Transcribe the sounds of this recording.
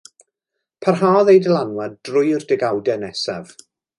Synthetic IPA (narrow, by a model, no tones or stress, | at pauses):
pʰarɦaːɔðejdəlˠanwaddrʊjrdɛɡawdɛnɛsav